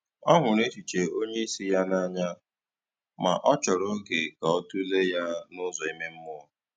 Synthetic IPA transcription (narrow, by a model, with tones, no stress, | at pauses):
ɔ˦ɦʷʊ˨ne˦t͡ʃi˨t͡ʃe˨o˦ɲe˦i˦si˦ja˦na˦ɲa˦ | ma̰˨ʔɔ˦t͡ʃɔ˨ɾo˦ŋ̩˦ke˨ka˨ɔ˦tu˦le˦ja˦nʊ˦zɔ˨i˦me˦m̩˦mʊ˦˨